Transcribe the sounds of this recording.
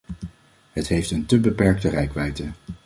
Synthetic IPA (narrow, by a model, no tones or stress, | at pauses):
ɦətɦejftəntəbəpɛɹk̚tərɛjkʋɛjtə